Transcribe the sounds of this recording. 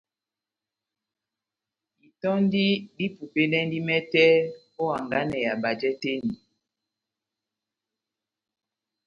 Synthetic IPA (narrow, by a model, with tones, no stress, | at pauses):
i˨tɔ˦n˦di˦di˦pu˨pe˦ndɛ˦n˦di˦mɛ˦tɛ˦ | o˦a˨ŋɡa˦nɛ˨ja˨ba˨d͡ʒɛ˦te˦ndi˨